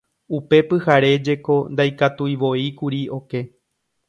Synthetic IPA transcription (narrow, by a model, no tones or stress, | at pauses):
upe̞pɨhaɾe̞d͡ʒe̞ko̞nd̪ajkat̪ujʋo̞ikuɾio̞ke̞